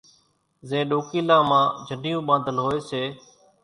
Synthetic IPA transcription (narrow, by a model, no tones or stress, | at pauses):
zẽːɗoːkiːlãːmãːd͡ʒʱənɪjũːɓãːd̪ʱəlɦoːeːseː